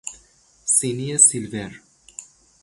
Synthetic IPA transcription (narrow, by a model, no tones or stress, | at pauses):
siniesilver